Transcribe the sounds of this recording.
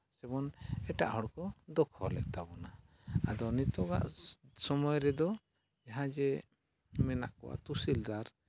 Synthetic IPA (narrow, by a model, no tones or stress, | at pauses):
sɛbɔnɛʈa̰ʔɦɔɽkɔd̪ɔkʰɔ̰lɛ̰ʔt̪abɔna | a̰d̪ɔnit̪ɔɡa̰ʔsɔmɔjɾɛd̪ɔ | d͡ʒaɦãd͡ʒɛ | mɛna̰ʔkɔwa̰t̪usild̪aɾ